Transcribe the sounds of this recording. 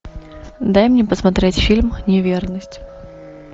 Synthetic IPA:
d̪ajmnʲɛpəsmat̪ɾʲetʲfʲilʲmnʲɪvʲernəsʲtʲ

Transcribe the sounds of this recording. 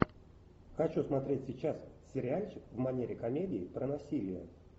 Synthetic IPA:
xɐt͡ɕusmɐt̪ɾʲetʲsʲɪt͡ɕassʲɪɾʲɪanʲt͡ɕʲkvmɐnʲeɾʲɪkɐmʲedʲɪɪpɾənɐsʲilʲɪjə̰

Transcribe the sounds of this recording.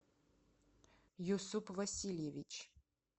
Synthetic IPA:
jusupʰvɐsiljɛvit͡ʃʰ

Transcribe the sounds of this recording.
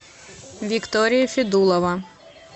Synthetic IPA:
ʋʲikt̪ɔɾʲijifʲid̪ulˠɔʋɐ

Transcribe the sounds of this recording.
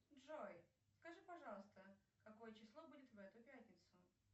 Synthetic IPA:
dʐoj | skɐʐɨpɐʐɑlˠəst̪ə | kɐko̞jət͡ɕɪslˠobudʲɪt̪vɛt̪ʊpʲætʲnʲɪt̪sʊ

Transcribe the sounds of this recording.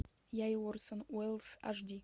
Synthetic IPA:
jajwɔɾsɔnwɛlsa̰ʒdi

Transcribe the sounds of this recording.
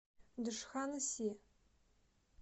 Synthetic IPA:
dɨʂxanɨsiː

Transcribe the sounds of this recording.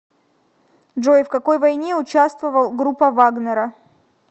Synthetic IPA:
dʐojfkɐko̞jvɐjnʲeʊt͡ɕast̪vəvəlˠɡɾupːəvaɡnəɾə

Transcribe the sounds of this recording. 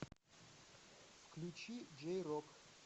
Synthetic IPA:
fkʰlut͡ʃʰid͡ʒɛjɾɔkʰ

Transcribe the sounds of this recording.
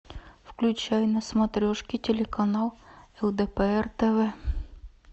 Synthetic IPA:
fklʲʉt͡ɕæjʊnɐsmɐt̪ɾʲoʂkʲɪtʲɪlʲɪkɐnɑlˠɛlˠd̪ɛpɛɛrt̪ɛvɛ

